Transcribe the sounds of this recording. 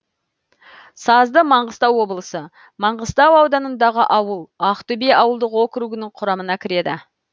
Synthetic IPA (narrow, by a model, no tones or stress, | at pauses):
sɑzd̪əmɑɴʁəst̪ɑwːo̞bəlˠəsə | mɑɴʁəst̪ɑwɑwd̪ɑnənd̪ɑʁəʔɑwəlˠɑqt̪ʏbe̞ɑwəlˠd̪əqwo̞kɾuɡʲɪnɪɴqʰʊɾɑmənɑkʲʰɪɾe̞d̪ɪ